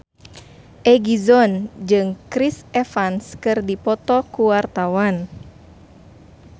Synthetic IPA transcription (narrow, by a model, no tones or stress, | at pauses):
ʔɛɡizɔnd͡ʒɨŋkɾisɛfanskɨrdipɔt̪ɔkuwart̪awan